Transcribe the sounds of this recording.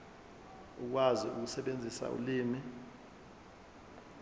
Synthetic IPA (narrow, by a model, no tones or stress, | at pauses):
uk̬waziuk̬usɛɓend͡zʱisa̰ʔṵliːmi